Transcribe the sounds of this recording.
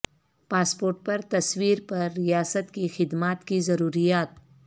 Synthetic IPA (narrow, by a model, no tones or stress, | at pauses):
paːspoːɾʈ̚pɐɾt̪ɐswiːɾpɐɾːɪjaːsət̪kixɪd̪maːt̪kizɐɾuːɾijaːt̪